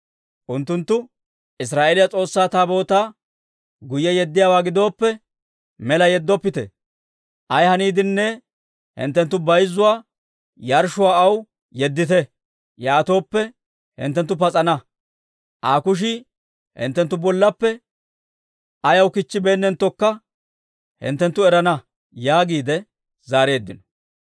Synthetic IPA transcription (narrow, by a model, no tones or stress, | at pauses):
ʔʊnt̪ːʊnt̪ːʊ | ʔɪs̬ɾaːʔeːlɪjat͡sʼo̞ːsːaːt̪aːbo̞ːt̪aː | ɡʊjːɛjɛd̪ːɪjaːwaːɡɪd̪o̞ːpːɛ | mɛlɐjɛd̪ːɔpːɪt̪ɛ̰ | ʔɐjhɐniːd̪ɪnːɛ | hɪ̰nt̪ːɛnt̪ːʊbɐjzːʊwaː | jɐɾʃʊwaːɐw | jɛd̪ːɪt̪ɛ | jaːt̪o̞ːpːɛ | hɪ̰nt̪ːɛnt̪ːʊpɐt͡sʼɐnɐ | ʔaːkʊʃ̬ɪ | hɪ̰nt̪ːɛnt̪ːʊbɔlːɐpːɛ | ʔɐjɐwkɪt͡ʃːɪbeːnːɛnt̪ːɔkːɐ | hɪ̰nt̪ːɛnt̪ːʊɛɾɐnɐ | jaːɡiːd̪ɛ | zaːɾeːd̪ːɪnɔ̥